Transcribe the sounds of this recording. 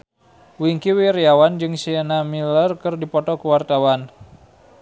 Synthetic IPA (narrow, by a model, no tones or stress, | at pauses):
wiŋkiwiɾiawand͡ʒɨŋsiənamilərkɨrdipɔt̪ɔkuwart̪awan